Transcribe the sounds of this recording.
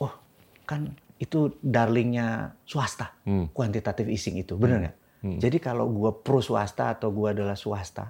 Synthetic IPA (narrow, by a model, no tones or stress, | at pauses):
ɔh | kanit̪udarlɪŋɲasuast̪akwant̪it̪at̪ɪfisɪŋit̪ubənərŋa̰ʔ | d͡ʒadikala̰ɡuapɾosua̰st̪a̰ːt̪awɡuaːdalahsuast̪a̰